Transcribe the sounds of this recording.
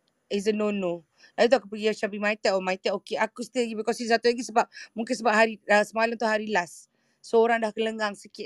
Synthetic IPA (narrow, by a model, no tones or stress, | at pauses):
izənono | lajit̪̬uakupəɡiat͡ʃabimait̪ɛʔomajt̪ɛʔokeʔakust̪əlaɡibikɔsisat̪ulaɡisəbap̚muŋkɪnsəbap̚ɦaɾiasəmaləmt̪uɦaɾilasː | ooɾaŋdahkələŋɡaŋsəkɪ